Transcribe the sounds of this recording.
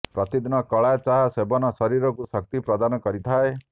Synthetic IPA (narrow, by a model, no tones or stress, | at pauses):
pɾɔt̪id̪inɔkɔɭat͡ʃaɦasebɔnɔsɔɾiɾɔkusɔk̚t̪ipɾɔd̪anɔkɔɾit̪ʰae